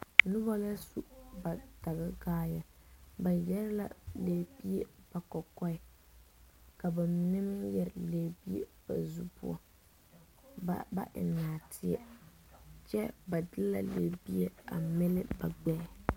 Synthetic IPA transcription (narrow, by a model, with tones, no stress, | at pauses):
nʊ˦ba˦la˦su˦ba˨ta˨ɣɨ˦ɡaː˦ja˨ba˨jɛ˦ɾɪ˦la̰˦le˨bi˦e˦b̥a˨kɔ˨kɔ˦ɪ˦ | ka˨ba˨m˨nɪ˦m˦jɛ˦ɾɪ˨leː˦bi˦ḛ˦b̥a̰˨zu˦pṵ˦ɔ̰˦ | ba̰˦ʔɪ̰˨naː˨tʰɪ˦ɛ̰˦ | t͡ʃɛ˦ba˨dɨ˦lla̰˦lḛː˨bi˦e˦a̰˨mɛ˦lɪ˦ba˨ɡ͡bɛ˦˨